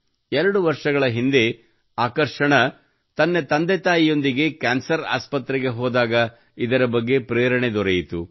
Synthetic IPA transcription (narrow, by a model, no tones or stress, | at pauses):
ɛɾɐɽuʋɐɾʂɐɡɐɭɐɦind̪e̞ | aːkɐɾʂɐɳɐ | t̪ɐnːet̪ɐnd̪et̪aːjijo̞nd̪iɡe̞kaːnsɐɾa̰ːspɐt̪ɾɛɡe̞ɦɔːd̪aːɡɐ | id̪ɐɾɐbɐɡːe̞pɾɛːɾɐɳed̪ɔɾejit̪u